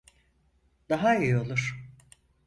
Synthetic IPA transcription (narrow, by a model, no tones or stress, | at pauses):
d̪aɦaijo̞lˠuɾ̥